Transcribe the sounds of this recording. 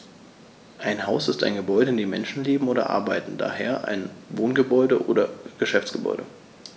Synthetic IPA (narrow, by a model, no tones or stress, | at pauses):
ʔaɪnhaʊsɪsta̰ɪnɡəbɔʏɾəɪndeːmɛnʃn̩leːbm̩oːdɾɐ̰ʔa̰ɐbaɪtn̩da̰ːheːɐʔa̰ɪnvoːnɡəbɔʏdəʔoːɾɐɡ̥əʃɛft͡sɡ̥əbɔ̰ʏɾə